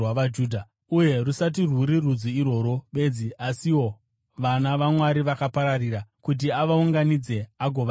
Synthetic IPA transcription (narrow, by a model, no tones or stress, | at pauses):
waʋad͡ʒuːdʱa | uje̞rusat̬irwuɾirud͡zuiro̞ːɾo̞ɓe̞ːd͡ziasiwo̞ | ʋanaʋamwaɾiʋakapaɾariɾakut̬iaʋauŋɡanid͡ze̞aɡʱo̞ʋ